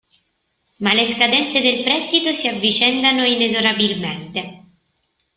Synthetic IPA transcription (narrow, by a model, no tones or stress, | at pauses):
maleskad̪ɛnt̪sed̪elpɾɛst̪it̪osiavːit͡ʃɛnd̪anoinezoɾabilment̪e